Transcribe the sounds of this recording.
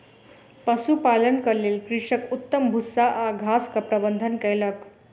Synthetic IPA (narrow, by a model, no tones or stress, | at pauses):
pəsupalənkəɾlelkɾiʂəkut̪ːəmbʱusaʔaɡʱaskəpɾəbənd̪ʱənkɛlək